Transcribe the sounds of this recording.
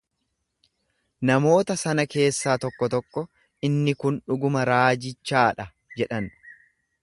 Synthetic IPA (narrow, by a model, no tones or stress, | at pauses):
nɐmo̞ːt̪ɐsɐnɐke̞ːsːaːt̪ɔkːɔt̪ɔkːɔ | ʔɪnːɪkʊnᶑʊɡʊmɐɾaːd͡ʒɪt͡ʃːaːᶑɐ | d͡ʒɛᶑɐn